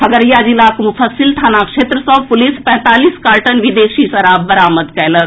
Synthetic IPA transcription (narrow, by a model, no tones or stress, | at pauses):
pʰɐɡəɾjad͡ʒilaːkmufəsilt̪ʰaːnakʂeːt̪ɾəsɔ̃puliːspɛ̃ɦt̪aːliːskaːɾʈənʋid̪eːkʂisɐɾabəɾaːməd̪kɛjlə